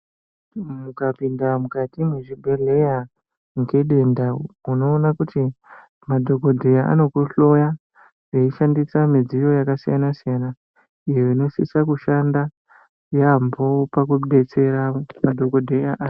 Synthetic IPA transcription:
mukapindamukatimweʐibʱele̞ja | ŋke̞ɗendauno̞ːnakuti | madʱo̞ko̞dʱejaʔa̰no̞kuɬo̞ja | ʐeiʃandisamid͡zijo̞jakasijanasijana | ijoino̞sḭsakuʃanda | jambopakuɗe̞t͡se̞ɾamadʱo̞kodʱejaʔ

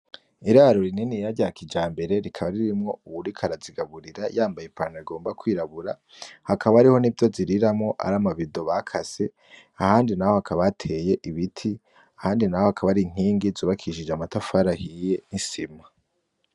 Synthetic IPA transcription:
iɾaɾoɾininijaɾɟaːkid͡ʒaːmbe̞ɾe̞ɾikʰaβaɾiɾimŋo̞uβuɾikʰaɾaziɡaβuɾiɾajaːmbajepanaiɡo̞ːmbakwiːɾaβuɾa | hakʰaβaːɾiho̞nivjo̞ziɾiɾamŋo̞ʔa̰ɾaːmaβido̞βakʰase̞ | ahaːndinaho̞hakʰaβatʰe̞je̞ʔiβitʰi | ahaːndinahohakʰaβaɾiŋ̥iːŋɡizuːβakʰiʃid͡ʒeamatafaɾahije̞nisima

